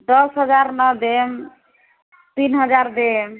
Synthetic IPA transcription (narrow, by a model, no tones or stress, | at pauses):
d̪ɔsɦʌd͡ʒaɾnʌd̪em | t̪inɦʌd͡ʒaɾd̪em